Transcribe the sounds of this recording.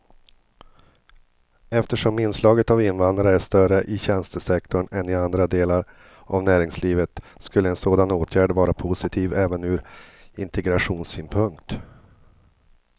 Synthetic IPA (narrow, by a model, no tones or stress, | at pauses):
ɛft̪əʂɔmɪnːslɑːɡət̪avɪnːvand̪ɾaɾəæʂt̪œrəʔɪɕɛnst̪əsɛk̚t̪ɔɳɛnɪand̪ɾad̪eːlaɾ | a̰vnæːɾɪŋsliːvət̪skɵlːəɛnsoːd̪anoːt̪ʰjæːɖvɑːɾapʰʊsɪt̪ʰiːvɛːvənʉ̟ːɾɪnt̪ʰɛɡɾaɧuːnsyːnpʰɵŋkt̪